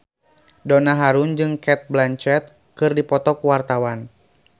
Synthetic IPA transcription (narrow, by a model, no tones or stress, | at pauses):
dɔnaɦaɾund͡ʒɨŋkɛt̪̚blant͡ʃɛt̪̚ | kɨrdipɔt̪ɔkuwart̪awan